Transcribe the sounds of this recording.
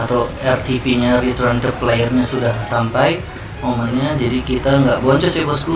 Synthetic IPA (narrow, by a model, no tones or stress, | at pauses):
at̪awɛrt̪ipiɲaɾit̪oɾant̪ərplejərɲasudahsampaj | momɔnɲad͡ʒadikit̪aŋɡaʔbɔɲt͡ʃɔsipəsku